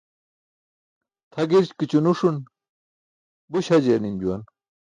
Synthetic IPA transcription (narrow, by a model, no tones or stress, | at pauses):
t̪ʰɐɡiɾt͡ɕkit͡ɕunuʂun | buɕɐd͡ʑeːnind͡ʑuwɐn